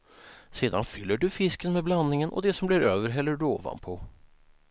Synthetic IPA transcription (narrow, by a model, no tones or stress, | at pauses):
siːd̪anfʏlːəɖʉfɪskənmeːblɑnːɪŋənʔɔ̰d̪ɛsɔmbliɾøːʋəɾɦɛlːəɖʉo̰ːʋa̰npʰɔ